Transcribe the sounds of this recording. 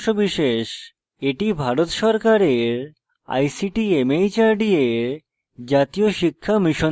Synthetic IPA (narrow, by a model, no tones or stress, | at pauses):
ʃobiʃeʃ | eʈibʱaɾot̪ʃɔɾkaɾeɾ | a̰jsiʈiemejt͡ɕaɾɖieɾ | d͡ʑat̪ioʃikʰːamiʃo